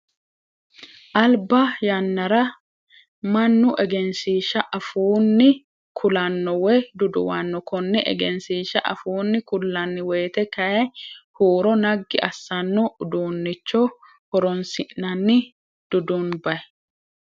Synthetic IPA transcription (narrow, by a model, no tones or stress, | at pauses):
ʔɐlbɐjɐnːɐɾɐ | mɐnːʊʔɛɡɛnsiːʃɐʔɐfuːnːɪ | kʰʊlɐnːɔwɛd̪ʊd̪ʊ̰wɐnːɔkɔnːɛʔɛ̰ɡɛnsiːʃɐʔɐ̰fuːnːɪkʊlːɐnːɪweːt̪ɛkɐjɛhuːɾɔnɐɡːɪʔɐsːɐnːɔd̪uːnːɪt͡ʃːɔ | hɔɾɔnsɪʔnɐnːɪ | d̪̥ʊd̪unbɐɛ